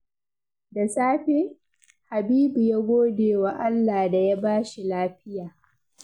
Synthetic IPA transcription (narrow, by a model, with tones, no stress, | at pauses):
da˨saː˦ɸi˦ | ha˨biː˦bu˨ja˦ɡʷoː˦deː˨wa˨ʔa˦lːaː˨da˨ja˦baː˦ʃi˨laː˦ɸɪ˦jaː˨